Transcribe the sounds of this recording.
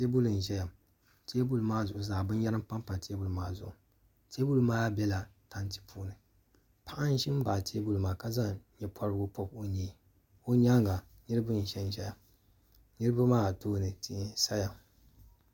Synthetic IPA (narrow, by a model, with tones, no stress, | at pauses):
te˦bu˦lɨ˨n˨ʒɛ˦ja˨m | te˦bu˦lmaː˦zʊ˨ʔʊ˨zaː˨bɨ˦n˦jɛ˦ɾɨ˦m̩˦pa˦m˦pa˨tʰe˦bu˦lmaː˦˨zʊ˨ʔʊ˨ | tʰe˦bu˦lmaː˦bɛ˦la˨ta˦nti̥˦pʰuː˦nɨ˨ | pʰa˦ʔa˦n˦ʃɪ˦m˦ba˨tʰe˦bu˦lmaː˨ka˨za˦ɲɛ˨pʰɔ˦ɾɨ˦ɡʊ˦pɔ˦p̚o˦ɲeː˨ | o˦ɲa˦ŋɡa˨ | nɨ˦ɾɨ˦bɨ˦n̩˨ʃɛ˦n˦˨ʒɛ˦ja˨ | nɨ˦ɾɨ˦bʊ˦maː˦˨toː˦˨nɨ˨ti˦˨˦sa˦ja˨